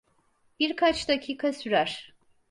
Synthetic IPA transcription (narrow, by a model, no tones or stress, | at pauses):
b̥iɾkʰat͡ʃd̪acʰiːkʰasyɾæɾ̥